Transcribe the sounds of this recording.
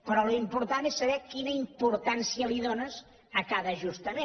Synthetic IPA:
pɾɔlimpuɾt̪anesːəβɛkinəimpuɾt̪ansiəliðonəz | əkaðəʒust̪əme

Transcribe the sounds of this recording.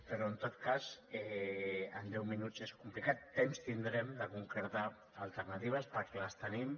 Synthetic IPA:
pəɾoənt̪ot̪kazɛənd̪ɛwminuzeskumplikat̪ːemst̪ind̪ɾɛmd̪əkuŋkɾəɾt̪aː | lˠt̪ərnat̪iβ̞əspəɾkɛləst̪ənim

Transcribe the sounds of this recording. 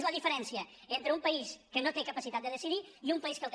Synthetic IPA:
zləðifəɾɛnsiəent̪ɾəumpəiskənot̪ekəpəsit̪at̪̚d̪əðəsiðiiumpəiskəlˠk

